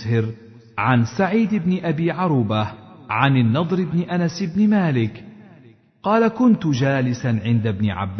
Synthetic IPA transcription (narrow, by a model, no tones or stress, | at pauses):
hɪɾ | ʕansaʕiːd̪ɪbnɪʔabiːʕɑɾˤuːbahʕanɪnːɑd̪ˤɾɪbnɪʔanasɪbnɪmaːlɪk | qɑːlakʊnt̪ʊd͡ʒaːlɪsaʕɪnd̪abnɪ̰ʕa̰b